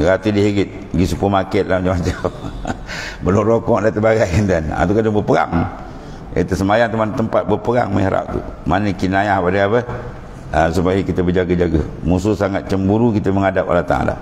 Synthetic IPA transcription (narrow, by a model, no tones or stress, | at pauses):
ɡat̪idiɦeɡɪt̪̚ | ɡisupumakɛt̪̚lad͡ʒamad͡ʒə | bəlumɾokɔʔdat̪əbaɡajnd̪ana̰t̪ukadaŋbəpəɡa̰ŋ | ḛt̪əsəmajaŋt̪umant̪əmpat̪̚bəpəɡa̰ŋmə̰hɾa̰p̚t̪ṵmanəkinajahpadəapə | əsupaikit̪əbəd͡ʒaɡəd͡ʒaɡəmusʊhsaŋat̪̚t͡ʃəmbuɾukit̪əməŋadap̚a̰lat̪a̰da̰